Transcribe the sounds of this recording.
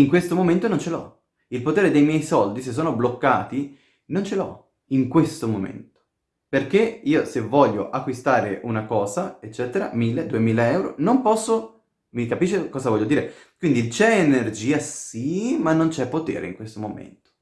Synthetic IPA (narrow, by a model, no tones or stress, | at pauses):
iŋkwest̪omoment̪onont͡ʃelɔ̰ | ilpot̪eːɾed̪ejmjɛjsɔld̪ises̬ːoːnoblokːaːt̪i | nont͡ʃelɔ̰ | iŋkwest̪omomḛnt̪o̥ | perkeiːosevɔʎːo̰ʔakːwist̪aːɾeʔunakɔːzaet͡ʃːɛːt̪eɾa̰milːed̪uemiːlaɛwɾo̰nompɔsːo | mikapiːʃːekɔːzavɔʎːod̪iːɾekwind̪it͡ʃɛenerd͡ʒiːasimanːont͡ʃɛpːot̪ḛːɾḛiŋkwest̪omomḛnt̪o̥